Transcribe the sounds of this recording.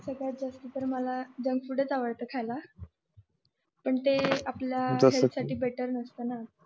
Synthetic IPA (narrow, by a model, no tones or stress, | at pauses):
səɡɭat̪̚d͡zast̪ət̪əɾməlad͡ʑəŋɡfuɽət͡saʋəɽt̪əkʰajla | pəɳt̪eapljaaɦelsaʈiːbeʈəɾnəst̪əna